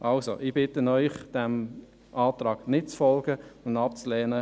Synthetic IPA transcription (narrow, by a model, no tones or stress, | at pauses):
ʔɑlsoʔiːb̥ɪtənœʏχd̥ɛm | ʔɑːt̪rɑːɡ̥nɪt̚t͡sfɔlɡ̥əʊndɑp̚t͡slɛːnə